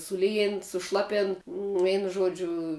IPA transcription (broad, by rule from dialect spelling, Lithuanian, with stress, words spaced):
sʊˈlʲiːjeːn sʊˈʃlˠɑːpʲeːn ˈʋʲɛɪnʊ ˈʒuɔd͡ʒʲʊ